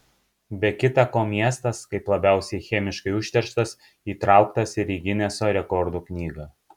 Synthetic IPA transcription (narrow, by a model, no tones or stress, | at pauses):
bʲɛkʲɪt̪ɐkoːmʲiɛst̪ɐskɐɪplˠɐbʲæˑʊsʲɛɪxʲɛmʲɪʃkɐɪʊʃʲt̪ʲɛɾʃt̪ɐs | iːt̪ɾɑˑʊkt̪ɐsɪɾʲiːɡʲɪnʲɛsoːɾʲɛkɔɾd̪uːknʲiːɡɐː